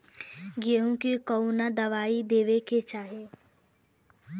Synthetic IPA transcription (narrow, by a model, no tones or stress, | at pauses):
ɡeɦũkekounad̪ɐʋaːid̪eːʋeket͡ʃaːɦe